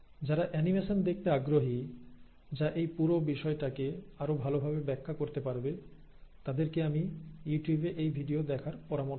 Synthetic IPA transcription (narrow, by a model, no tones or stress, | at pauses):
d͡ʑaɾaʔɛnimeʃond̪ek̚ʰt̪eaɡɾoɦi | d͡ʑaʔejpuɾobiʃɔeʈakeaɾobʱalobʱabebɛkʰːakoɾt̪epaɾbe | t̪ad̪eɾkeamijuʈjubeʔejbʱiɖiod̪ɛkʰaɾpɔɾamo